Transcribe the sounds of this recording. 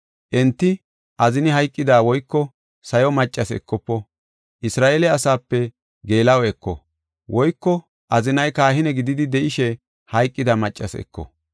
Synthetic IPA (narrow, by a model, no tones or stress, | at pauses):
ʔɛnt̪ːɪ | ʔɐzɪnɪɦɐjkʼːɪd̪aːwɔjkːɔ | sɐjɔmɐt͡ʃʼːɐsɛ̰kːɔpːɔ | ʔɪsɾaːʔeːlɛɐsaːpːɛ | ɡe̞ːlɐwɛkːɔ̰ | wʔɔjkːɔ | ʔɐzɪnɐjkaːɦhɪnɛɡɪd̪ɪd̪ɪd̪ɛʔɪʃɛ | hɐjkʼːɪd̪ɐmɐt͡ʃʼːɐsɛ̰kːɔ̰